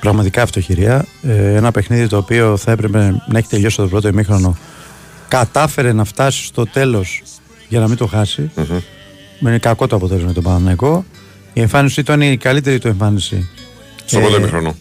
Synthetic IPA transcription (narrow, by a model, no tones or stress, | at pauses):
pɾɐɣmɐt̪ikɐft̪o̞çiɾiɐeenɐpe̞xniðit̪o̞ːpio̞θɐe̞pɾe̞pe̞nɐe̞çi̥t̪e̞ʎo̞si̥t̪obɾo̞t̪̬oimixɾo̞no̞ | kɐt̪ɐfe̞ɾe̞nɐft̪ɐsi̥st̪o̞t̪e̞lo̞s | ʝɐnɐmit̪o̞xɐsi | inekɐko̞t̪oɐpot̪elo̞zmet̪obɐnɐnɐiko̞ | ie̞ɱfɐnisit̪onikɐlit̪e̞ɾit̪ue̞ɱfɐnisḭ | soɾot̪omixɾono